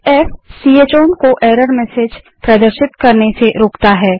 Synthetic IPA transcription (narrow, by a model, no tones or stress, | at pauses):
ɛfsiːeːt͡ʃoːnkoʔeːɾəɾmɛːseːd͡ʒ | pɾɐd̪əɾʃɪt̪kɐɾneseɾoːkt̪aɦɛː